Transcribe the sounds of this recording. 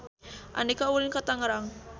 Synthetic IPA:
ʔa̰nikaulinkat̪aŋəɾaŋ

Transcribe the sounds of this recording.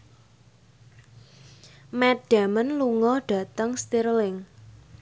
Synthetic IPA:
mɛt̚d̥a̤mənluŋɔɖ̥a̤t̪əŋst̪iɾlɪŋ

